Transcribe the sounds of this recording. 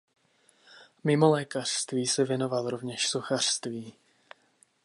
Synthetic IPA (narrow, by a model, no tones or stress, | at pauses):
mɪmo̞lɛːkar̝̥st̪viːsɛvjɛno̞valɾo̞vɲɛʃso̞xar̥st̪viː